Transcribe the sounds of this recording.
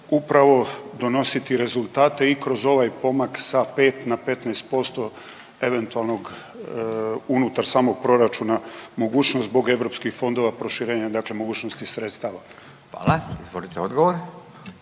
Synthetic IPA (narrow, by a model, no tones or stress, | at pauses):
upɾaʋo̞d̪o̞no̞sit̪iɾe̞zulˠt̪aːt̪e̞ikɾo̞zo̞ʋajpo̞maksape̞ːt̪nape̞t̪naest̪̚po̞st̪o̞ | e̞ʋe̞nt̪ualno̞ɡ | unut̪aɾsaːmo̞ɡ̚pɾo̞ɾat͡ʃunamo̞ɡuːt͡ʃnost̪bo̞ɡe̞ʋɾo̞pskixfo̞nd̪o̞ʋapɾo̞ʃiɾe̞ːɲad̪aklemo̞ɡuːt͡ʃnost̪isɾe̞t̪st̪aʋa | xʋa̰ːlaizʋolit̪eod̪ɡoʋoɾ